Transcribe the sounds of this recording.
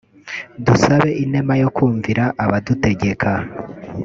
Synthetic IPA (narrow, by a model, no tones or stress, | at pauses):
dusaβe̞ʔinemajo̞kuːɱviɾaʔaβadute̞ɡe̞kʰa